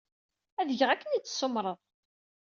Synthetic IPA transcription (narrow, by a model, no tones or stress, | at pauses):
æðəʝəʁækːənit͡sːsːʊmɾˤəðˤ